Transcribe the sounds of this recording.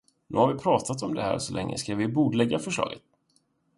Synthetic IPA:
nʉ̟ːhaɾvɪpʰɾɑːt̪ʰat̪ɔmd̪ɛhæ̰ːɾʂɔlʔɛŋːʔə̰skavɪbuːɖ̪lɛɡːafœʂɭɑ̰ːɡət̪̚

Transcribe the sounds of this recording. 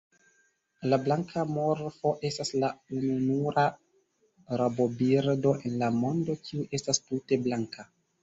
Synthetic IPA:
lablaŋkʰamo̞ɾfo̞ʔe̞staslaununuɾa | ɾabo̞biɾdo̞ʔe̞nlamo̞ndo̞kʰiuʔe̞stastute̞blaŋkʰa

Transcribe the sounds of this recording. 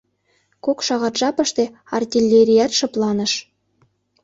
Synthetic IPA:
kokʃɑʁɑt̪ʒɑpɤ̆ʃt̪e | ɑ̰rtʲilʲːeɾʲijæt̪ʃɤ̆plˠɑnɤ̆ʃ

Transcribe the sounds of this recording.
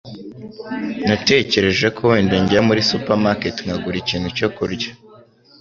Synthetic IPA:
nate̞ːce̞ɾe̞ʒe̞kʰoweːndeɲɟamuɾisupaɾmaketŋaɡuɾiciːnhuco̞kuɾɟa

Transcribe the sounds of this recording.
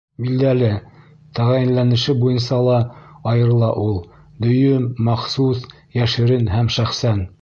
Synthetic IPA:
bild̪ælɘ | t̪æʁæjɘ̆nlænɘ̆ʃɘbujɤ̆nsɑlˠɑɑjɤ̆ɾlˠɑʔulˠ | d̪ɵ̆jɵmːɑχsus | jæʃɘ̆ɾɘnɦæmʃæχsæn

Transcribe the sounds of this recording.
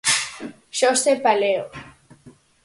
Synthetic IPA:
ʃosepaleo

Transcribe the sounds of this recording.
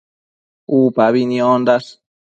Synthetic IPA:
upaβinĩond̪as

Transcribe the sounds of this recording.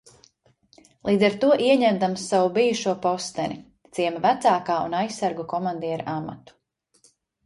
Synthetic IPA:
lˠiːd̪zaɾt̪uɔʔiɛɲɛmd̪amsːawubijuʃuɔpɔst̪ɛnʲi | t̪siɛmavæt̪saːkaːṵnajsːaɾɡukɔmand̪iɛɾaʔama̰t̪u̥

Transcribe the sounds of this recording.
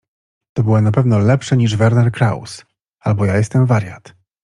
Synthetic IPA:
t̪ɔbɘwanapɛvnɔlɛpʂɛɲiʐvɛɾnɛɾkɾa̰ws | albɔjajɛst̪ɛmvaɾʲjat̪

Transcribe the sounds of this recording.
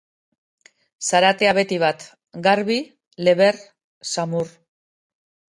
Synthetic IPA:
saɾat̪e̞aβe̞t̪iβat̪ | ɡaɾβi | le̞βe̞r | samur

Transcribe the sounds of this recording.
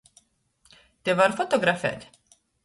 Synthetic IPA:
t̪ɛvɐɾfot̪ɔɡɾɐfɛ̰t̪

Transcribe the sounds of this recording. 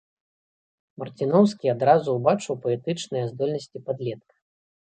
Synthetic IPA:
mɐrt͡sʲinɔwskʲiad̪ɾazuwbat͡ʂɨwpɐɛt̪ɨt͡ʂnɨjɐzd̪ɔlʲnɐsʲt͡sʲipad̪lʲɛt̪̚kɐ̥

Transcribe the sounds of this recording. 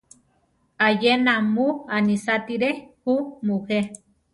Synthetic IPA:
ajenamuanisat̪iɾehumuhe

